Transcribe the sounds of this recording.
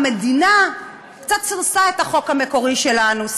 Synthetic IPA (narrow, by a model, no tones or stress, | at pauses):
medina | kt͡sat̪̚t͡siʁsaetaχo̞khame̞ko̞ʁiʃe̞lanus